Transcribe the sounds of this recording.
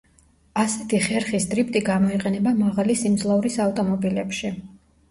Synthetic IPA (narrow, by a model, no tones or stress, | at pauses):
asɛt̪ʰiχɛɾχisd̪ʼɾip̚ʰt̪ʼiɡamɔiqʼɛnɛbamaʁalisimd̪zlˠauɾisaft̪ʼɔmɔbilɛpʃi